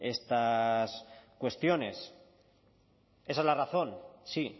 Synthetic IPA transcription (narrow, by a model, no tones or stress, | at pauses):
e̞st̪askwe̞st̪jo̞ne̞s | e̞saezlaraθo̞nsi